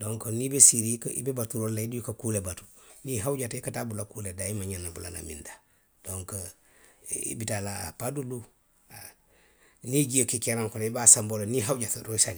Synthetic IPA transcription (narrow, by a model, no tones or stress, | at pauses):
doŋkonibesiɾikḭbebatuɾolaidujukakulebatu̥niɦawɟatikatabulakuledaimaɲanabula̰na̰mḭnda | d̥oŋkə | ḭbitalaa̰padulu | a | niɟijokikeɾaŋkuleibasamboloniɦawɟatɾoisal